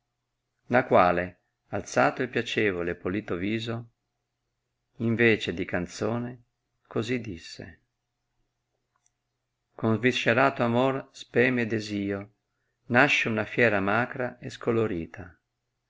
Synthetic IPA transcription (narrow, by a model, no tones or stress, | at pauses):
nakwaːle | alt̪saːt̪oilpjat͡ʃɛːvolepoliːt̪oviːzo | iɱveːt͡ʃed̪ikant̪soːne | kozid̪ːisːḛ | konzviʃːeɾaːt̪oamorspɛːmed̪eziːo | naʃːounafjɛːɾamaːkɾaeskoloɾiːt̪ʰa